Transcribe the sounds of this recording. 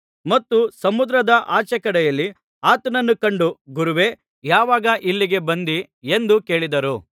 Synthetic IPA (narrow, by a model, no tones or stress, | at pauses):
mɐt̪ːusɐmud̪ɾɐd̪ɐʔaːt͡ʃɐkɐɽɛjɐlːi | aːt̪ɐnɐnːukɐɳɖuɡuɾuʋe̞ | jaːʋaːɡɐʔilːiɡe̞bɐnd̪i | e̞nd̪uke̞ːɭid̪ɐɾu